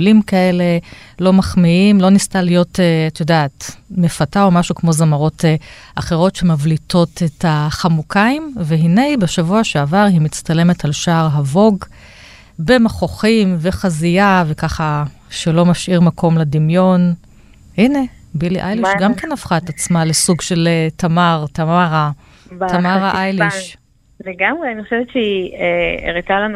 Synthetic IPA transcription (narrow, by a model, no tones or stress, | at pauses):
limkae̞le | lo̞maχmiimlo̞nistalijo̞teatjodaːtmefatao̞maʃukmo̞zamaʁo̞te | ʔaχe̞ʁo̞tʃemavlito̞tetaχamukaimveɦine̞jbeʃavuaʃeavaʁhimit͡stale̞metalʃaːʁɦavo̞ɡ | be̞maχo̞χimve̞χazijave̞kaχa | ʃelo̞maʃʔiʁmakʰo̞mledimjo̞n | hine̞ | biliʔajliʃɡamkenafχaetat͡smalesuɡʃe̞ltamaʁtaaʁa | btamaʁaʔajliʃ | leɡamʁeaniχoʃevett͡ʃeieḛʁitalan